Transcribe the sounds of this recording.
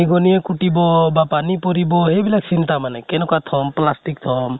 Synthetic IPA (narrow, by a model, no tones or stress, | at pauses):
iɡɔniekuʈibɔbapanipɔɾibɔɦebilak̚sint̪amanɛkɛnɔkwat̪ʰɔmplasʈik̚t̪ʰɔm